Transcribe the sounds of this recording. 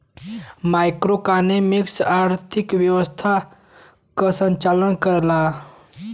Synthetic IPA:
maɪkɾokanemɪksaːɾt̪ʰɪkʋjəʋəst̪ʰa | kəsə̃ɲt͡ʃalənkəɾla

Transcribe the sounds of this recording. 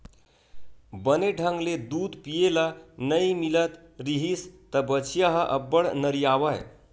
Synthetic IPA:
bəneɖʱəŋɡled̪uːd̪pijelanəimilət̪ | ɾiɦist̪əbət͡ɕjaɦəʔəbːəɽnəɾijaʋaj

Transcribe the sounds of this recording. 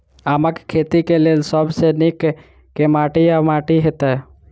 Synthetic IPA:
aːməkkʰːet̪ikeleːlsəbsenikː | emaːʈiamaːʈiɦet̪a

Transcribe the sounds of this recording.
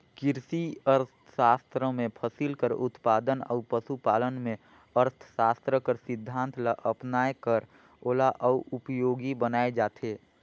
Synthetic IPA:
kɪɾsiəɾt̪ʰsaːst̪ɾəmẽpʰəsilkəɾʊt̪paːd̪ənə̰ʊpəsupaːlənmẽ | əɾt̪ʰsaːst̪ɾəkəɾsɪd̪ʱːãːnt̪ʰlaʔəpnaːekəɾ | oːlaʔəuʔʊpjoːɡibənaːed͡ʒaːt̪ʰeː

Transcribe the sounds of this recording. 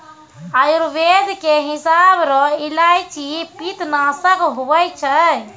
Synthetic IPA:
ajuɾʋed̪ʱkeɦisabɾɔilajt͡ʃʰipit̪nasəkɦuʋəjt͡ʃʰə

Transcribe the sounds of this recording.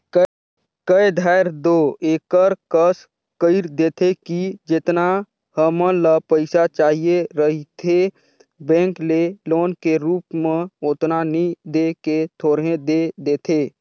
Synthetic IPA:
kəed̪ʱaːɪɾd̪oːeːkəɾkəs | kəɪɾd̪eːt̪ʰekid͡ʒɪt̪na | həmə̃ləpəɪsat͡ʃaːɦijeɾəɦit̪ʰe | bɛ̃ːŋkleloːnkeɾuːpmẽot̪nanĩd̪eket̪ʰoːɾɦẽd̪ed̪eːt̪ʰeː

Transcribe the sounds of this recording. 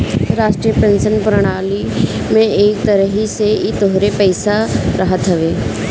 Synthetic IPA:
ɾaːʃʈɾijəpẽnsənpɾəɽ̃aːli | mẽeːk̚t̪əɾəɦiseit̪oɦɾepəɪsaɾɐɦət̪ɦɐʋeː

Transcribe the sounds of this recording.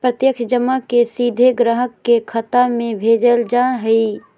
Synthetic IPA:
pɾət̪jəkʃd͡ʒəmakesiːd̪ʱeɡɾəɦəkːekʰət̪amẽbʱeːd͡ʒəld͡ʒaɦəi

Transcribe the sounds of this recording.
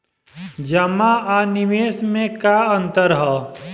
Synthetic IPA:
d͡ʒɐmaanɪʋeːsmẽkaə̃nt̪əɾɦɔː

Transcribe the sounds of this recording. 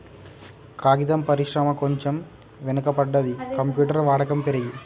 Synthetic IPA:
kaːɡid̪ɐmpɐɾiʂɾɐmɐkoɲt͡ʃɐm | ʋɛnɐkɐpɐɖːɐðikɐmpjuːʈɐɾʋaːɽɐkɐmpɛɾɐɡi

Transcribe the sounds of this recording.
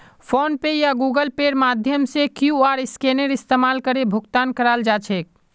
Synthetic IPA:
pʰonpejaɡuɡəlpeɖmad̪ʱjəmsekjuaɾiskeneɾist̪emalkəɾebʱukt̪ankəɾald͡ʒat͡ʃʰɛek̚

